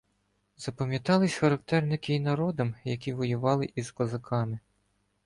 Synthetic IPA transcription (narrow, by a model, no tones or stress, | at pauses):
z̥ɐpɐmʲjɐt̪ɑlˠɪsʲxɐɾɐk̚t̪ɛrnɪkɪinɐɾɔd̪ɔmjɐkʲiʋɔjʊʋɑlˠɪʔizkɔzɐkʰɑmɪ